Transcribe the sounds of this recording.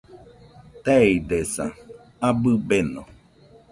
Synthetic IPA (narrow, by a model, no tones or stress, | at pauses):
t̪eid̪esa̰ | abɨbenõ